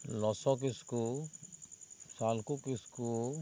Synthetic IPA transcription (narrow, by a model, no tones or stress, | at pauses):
lɔsɔk̬isku | salkukisku